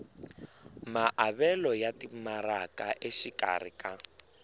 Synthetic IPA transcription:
maʔaβɛlɔjatimarakaʔeʃika̰rḭka

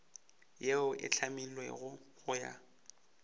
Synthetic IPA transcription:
jeʊʔɪ̰t͡ɬʰamilwɛ̰ɣʊ | ɣʊja̰

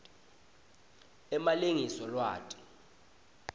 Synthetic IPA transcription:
ɛmaliŋisɔlwa̰ːtʼi̥

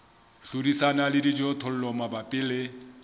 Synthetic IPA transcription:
ɬudisanalɪdid͡ʒɔtʰɔl̩lɔmabapʼɪlɪ

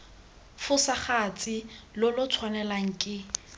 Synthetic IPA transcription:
fʊsaχat͡sʼɪlʊlʊt͡sʰwanɛlaŋ̩kʼɪ

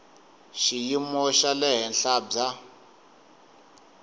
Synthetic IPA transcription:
ʃijimɔʃalɛɦɛnɬaːba

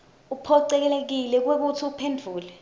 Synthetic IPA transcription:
upʰɔǀɛk̬ɛlek̬ilɛk̬wek̬utʰiupʰendʱuːlɛ

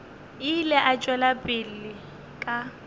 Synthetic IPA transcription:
ɪlɛʔat͡ʃʼwɛlapʼɪlːɪ | kʼa

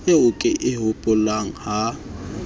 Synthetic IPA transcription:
eʊkʼɪʔɪɦʊpʼʊlaŋ̩ha

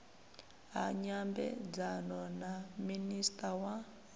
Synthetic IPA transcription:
ɦaɲambɛ̰d͡zanɔnaministʼawa

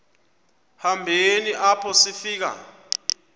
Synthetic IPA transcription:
hambʱeniʔapʰɔsifiːk̬a̰

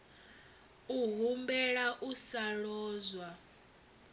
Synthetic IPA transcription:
uɦumbɛɺaʔusaɺɔːzwa

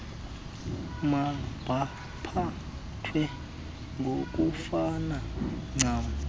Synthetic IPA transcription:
mab̥ʱa | pʰa | tʰwɛ | ŋɡʱok̬ʼufanaŋ͡ǀaːw

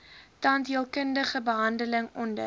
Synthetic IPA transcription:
tɐntɦiəlˠkəndəχəbəɦɐndələŋɔndə̰

